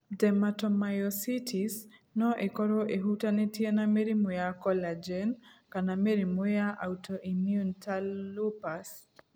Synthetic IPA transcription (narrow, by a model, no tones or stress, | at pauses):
dɛmatɔmajɔsitʰisnɔʔekɔɾɔʔeɦutanɛtjenameɾimojakɔlad͡ʒɛnkanameɾimojaʔautɔʔimjuntalːupas